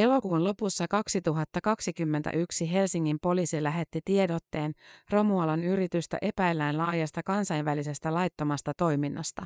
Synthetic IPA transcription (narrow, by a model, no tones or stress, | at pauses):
e̞lo̞kuːnlo̞pusːɑkɑksit̪uɦɑt̪ːɑkɑksikymːent̪æ̰ʔyksiɦe̞lsiŋːimpo̞liːsilæɦe̞t̪ːit̪iedot̪ːe̞ːnro̞muɑlɑnyɾit̪yst̪æ̰ʔe̞pæjlːæjnlɑːjɑst̪ɑkɑnsɑjnʋælise̞st̪ælɑjt̪ːomɑst̪ɑt̪o̞jminːɑ̰st̪ɑ